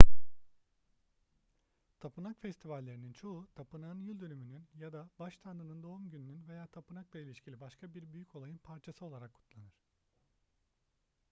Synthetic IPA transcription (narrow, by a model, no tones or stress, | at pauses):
t̪ʰapɯnakfɛst̪ʰivalʲːeɾinint͡ʃʰo̞ut̪ʰapɯnaɯnjylʲd̪ønymynynjad̪abaʃt̪ʰand̪ɯnɯnd̪o̞umɟynynynve̞jaːt̪ʰapɯnaklˠailʲiʃcʰilʲibaʃkʰabiɾbyjycʰo̞lˠajɯnpʰaɾt͡ʃʰasɯo̞lˠaɾakʰːu̥t̪lˠanɯɾ̝̥